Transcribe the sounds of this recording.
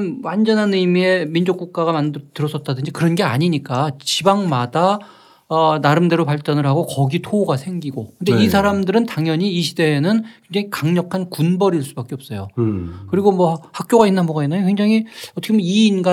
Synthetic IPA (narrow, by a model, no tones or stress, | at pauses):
nwand͡ʑʌnɦanɯimie̞mind͡ʑok͈uk̚k͈aɣamantɯɾʌs͈ʰʌt̚t͈adɯnd͡ʑikɯɾʌnɡe̞a̰ɲiɲik͈at͡ɕibaŋmada | ʌnaɾɯmde̞ɾopaɭt͡ɕ͈ʌnɯɭhaɡokʌɡitʰoɡasʰe̞ŋɡiɡokɯndeisʰaɾamdɯɾɯntaŋjʌɲiːɕʰide̞ːnɯnkʰe̞ŋd͡ʑaŋikaŋɲʌkʰankunbʌɾiɭs͈ubak͈eʌp̚s͈ʌjo̰kɯɾiɡomʌhak̚k͈joɡainːanbʌɡainːajokʰɸʰwe̞ŋd͡ʑaŋiʌt͈ʰʌkʰemoiːnɡa